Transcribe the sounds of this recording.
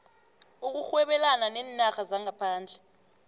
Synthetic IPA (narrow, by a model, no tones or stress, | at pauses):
uk̬uxwɛɓɛlananɛːnnaxazaŋʱapʰaːnd͡ɮʱɛ